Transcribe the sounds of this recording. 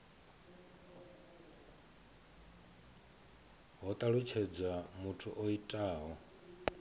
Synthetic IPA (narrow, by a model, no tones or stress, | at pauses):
ɦɔt̪ʼaɺut͡ʃʰɛd͡zamutʰuʔoitʼaːɦɔ